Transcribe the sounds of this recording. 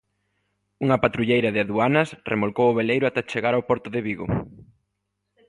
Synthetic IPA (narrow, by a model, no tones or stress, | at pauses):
uŋɐpat̪ɾuʎejɾɐðɪaðuanɐsrʔḛmolkowʊβ̞elejɾʊat̪ɛt͡ʃeɣaɾawpɔɾt̪ʊðɪβiɣo̰